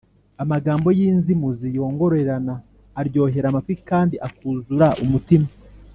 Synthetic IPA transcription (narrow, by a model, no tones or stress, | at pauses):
amaɡaːmbo̞jiːnzimuzijo̞ːŋɡo̞ɾoeɾanaː | ɾɟo̞ːɦe̞ɾamafikaːndiʔakuːzuɾaʔumutima